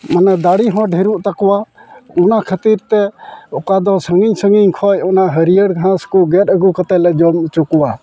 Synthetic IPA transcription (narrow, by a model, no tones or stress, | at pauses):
manad̪aɽiɦɔ̃ɖʱiɾuʔt̪akɔwaɔnakʰət̪iɾt̪ɛɔkad̪ɔsəŋɡiɲsəŋɡiɲkʰɔjɔnaɦəɾijəɽɡʱãskɔɡɛt̪̚əɡukət̪ɛlɛd͡ʒɔmt͡ʃukuwa